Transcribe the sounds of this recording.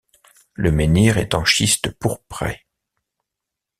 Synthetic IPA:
ləmeniʁɛt̪ɑ̃ʃist̪əpuʁpχɛ̰

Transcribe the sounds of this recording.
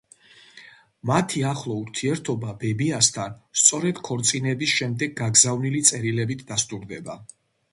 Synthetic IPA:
mat̪ʰiaχlˠɔuɾt̪ʰiɛɾt̪ʰɔbabɛbiast̪ʰanst̪sʼɔɾɛd̪̥kʰɔɾt̪sʼinɛbisʃɛmd̪ɛɡ̚ɡaɡzavnilit̪sʼɛɾilɛbit̪ʰd̪ast̪ʼuɾd̪ɛba

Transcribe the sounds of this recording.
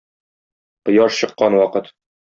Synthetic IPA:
qɤ̆jɑʃɕɤ̆qːɑnwɒqɤt̪

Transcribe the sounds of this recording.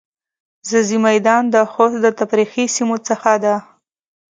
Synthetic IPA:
zəzimajd̪ɑnd̪əxosd̪ət̪apɾixisimot͡səxad̪a

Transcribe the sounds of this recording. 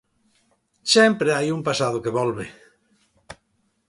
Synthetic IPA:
sempɾeajumpasað̞okeβɔlβe

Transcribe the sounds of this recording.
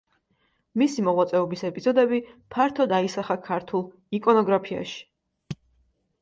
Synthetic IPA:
misimɔʁwat̪sʼɛɔbisɛpʼizɔd̪ɛbipʰaɾt̪ʰɔd̪aisaχakʰaɾt̪ʰulˠ | ikʼɔnɔɡɾapʰia̰ʃi̥

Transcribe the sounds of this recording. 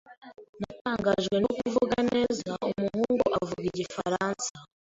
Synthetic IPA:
nataːŋɡaʒɡwe̞nokuvuɡane̞ːzaumuhuːŋɡuʔavuɡiɟifaɾansa

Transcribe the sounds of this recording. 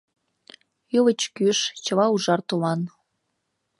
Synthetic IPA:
juβə̆t͡ɕkyʃt͡ɕəβɑuʒɑrt̪umɑn

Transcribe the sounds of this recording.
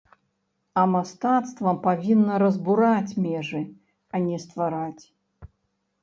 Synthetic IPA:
ɐmast̪at̪st̪vɐmpavʲinːɐɾɐzbuɾat͡sʲmʲɛʐɨ | anʲɛst̪vaɾat͡sʲ

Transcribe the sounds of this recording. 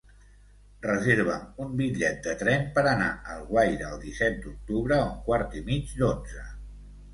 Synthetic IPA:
rəzeɾβ̞əmumbiʎɛt̪̚d̪ət̪ɾɛmpəɾəna̰əlˠɣwajðəlˠd̪isɛt̪̚d̪uk̚t̪uβɾəuŋkwaɾt̪imid͡ʒd̪od͡zə

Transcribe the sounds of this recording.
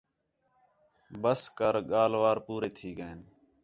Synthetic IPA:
bəskəɾɠaːlʋaːɾpuːɾeːt̪ʰiːɠəeːn

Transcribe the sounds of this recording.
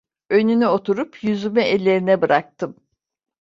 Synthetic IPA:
ø̞nynyo̞t̪ʰuɾupʰjyzymyʔɛlʲːe̞ɾinɛbɯɾak̚t̪ʰɯm

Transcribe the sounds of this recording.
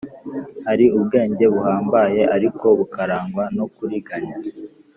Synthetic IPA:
haɾiubɡe̞ːɲɟe̞βuhaːmbaje̞ʔaɾiko̞βukaɾaːŋɡwanokuɾiɡaɲa

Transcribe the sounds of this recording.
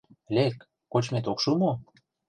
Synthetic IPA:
lekː | ot͡ɕmet̪okʃumo

